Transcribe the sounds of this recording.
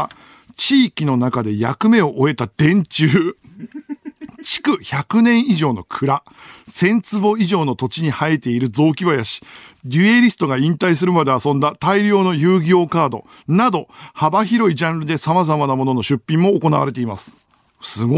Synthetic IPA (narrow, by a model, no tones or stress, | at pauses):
t͡ɕiːkʲino̞nakad̪e̞ja̰kɯ̟me̞o̞ʔoe̞t̪ad̪̥ẽ̞ɲt͡ɕɨː | t͡ɕi̥kɯ̟çakɯ̟nẽ̞ɰ̃iʑo̞ːno̞kʰɯ̟ɾa | sẽ̞nt͡sɨbo̞iʑo̞ːno̞t̪o̞t͡ɕiɲ̟ihait̪e̞iɾɯ̟zo̞ːkʲibajaɕi̥dʲɯeɾʲisɨ̥t̪o̞ɡaĩnt̪aisɨɾɯ̟mad̪e̞asõ̞nd̪at̪aiɾʲjo̞ːno̞jɯːɡʲo̞ːkaːd̪o̞̰ | nad̪o̞habaçiɾo̞id͡ʑãnɾɯ̟d̪e̞samazamanamo̞no̞no̞ɕɨpʲːĩmːo̞ːko̞naβaɾe̞t̪e̞imasɨ̥ | sɨɡ